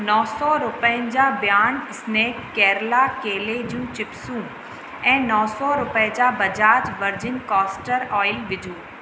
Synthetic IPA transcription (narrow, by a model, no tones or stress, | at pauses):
nɔːsɔɾʊpəə̃nd͡ʑabjaːnɪsneːkːɛːɾlakeːled͡ʑijũt͡ɕɪpsũ | ɛ̃ːnɔːsɔːɾʊped͡ʑaːbɐd͡ʑaːd͡ʑʋɐɾd͡ʑɪnkɔːsʈəɾɔːɪlʋɪd̪ʱũː